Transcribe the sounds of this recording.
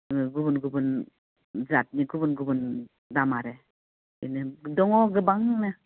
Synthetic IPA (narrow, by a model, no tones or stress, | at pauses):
ɡubunɡubɯn | zat̚niɡubunɡubun | damaɾe | inɯdɔŋɔɡɯbaŋnɯ